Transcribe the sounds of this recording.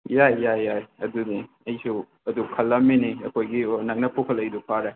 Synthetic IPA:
jajːajajɐduni | ɐjsu | ɐdukʰɐlːɐminiɐkʰojɡinɐk̚nɐpʰokʰɐlɐjdupʰaɾa

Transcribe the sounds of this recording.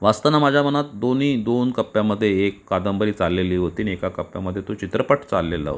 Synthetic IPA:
ʋast̪anamad͡ʑʱjamənat̪̚d̪oniːd̪onkəpːjaməd̪ʱːjeːkːad̪əmbəɾiːt͡salːeliːɦot̪iːniekakəpːja̰məd̪ʱːjet̪ot͡ɕit̪ɾəpəʈt͡salːela̰ɦo̰

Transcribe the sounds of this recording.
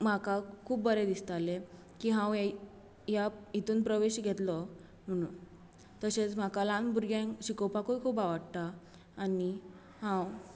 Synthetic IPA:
m̤akakʰuːpbəɾed̪ist̪ale | kiːɦãwa | jait̪uːnpɾəʋeɕɡʱɛt̪lɔ | m̤əɽ̃ṵːn | t̪əɕet͡sm̤akalãnbuɾɡjãŋɕikɔwpakoikʰuːpaʋaɽt̪aː | ni | hãw

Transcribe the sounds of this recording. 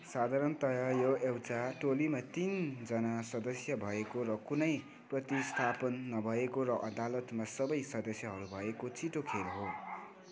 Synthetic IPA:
sad̪ʱaɾʌnt̪ʌjʌjoewt͡saʈolimat̪ind͡zʌnasʌd̪ʌsjʌbʱʌekorʌkunʌj | prʌt̪ist̪ʰapʌnːʌbʱʌekoɾʌʔʌd̪alʌt̪masʌbʌjsʌd̪ʌsjʌɦʌɾubʱʌekot͡siʈokʰelɦo

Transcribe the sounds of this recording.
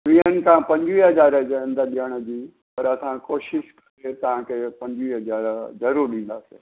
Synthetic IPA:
ʋiɦənɪ̆kʰãːpɐ̃ɲd͡ʑʋiɦɐzaːɾəd͡ʑeə̃nd̪əɗijəɽ̃ə̆d͡ʑiː | pɐɾɐsãkoːʃɪʃkɐɾet̪ɐʋ̤ãkʰepɐ̃ɲd͡ʑʋiːɦɐzaːɾzɐɾuːɾɗĩːn̆d̪aːseː

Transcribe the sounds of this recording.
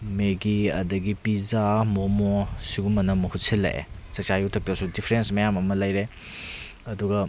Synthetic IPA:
meɡiɐ̰dɐɡipizamomosiɡumɐnɐmːɐhutsilːɐ̰ʔḛsɐk̚t͡ʃajuwtʰɐk̚tɐsudipʰɾensmɐjamɐmɐlɐjɾe | ɐduɡɐ

